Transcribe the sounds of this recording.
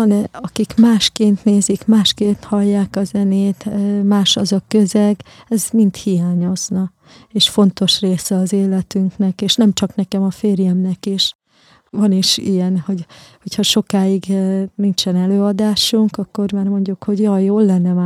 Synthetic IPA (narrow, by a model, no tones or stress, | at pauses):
ɒnɛɒkikmaːʃkeːnt̪neːzikmaːʃkeːnt̪hɒlːaːkɒzɛneːt̪ːmaːʃɒzɒkøzɛɡɛzmint̪hijaːɲo̞znɒ | eːʃfo̞nt̪o̞ʃreːsɛɒzeːlɛt̪yŋknɛkeːʃnɛmt͡ʃɒknɛkɛmɒfeːrjɛmnɛkeʃ | vɒniʃijɛnho̞ɟhochɒʃo̞kaːiɡnint͡ʃɛnɛløːɒd̪aːʃuŋkɒkːo̞rmaːrmo̞ɲɟukho̞ɟjɒjoːlːɛnːɛmaː